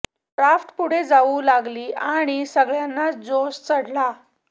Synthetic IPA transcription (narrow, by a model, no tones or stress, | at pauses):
ʈɾafʈpuɽ̤ed͡zaulaɡliːaɽ̃isəɡɭjanːad͡zost͡səɽla